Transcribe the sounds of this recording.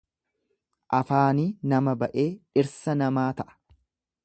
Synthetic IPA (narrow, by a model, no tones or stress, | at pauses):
ʔɐfaːniːnɐmɐbɐʔe̞ːᶑɪɾsɐnɐmaːt̪ɐʔɐ̥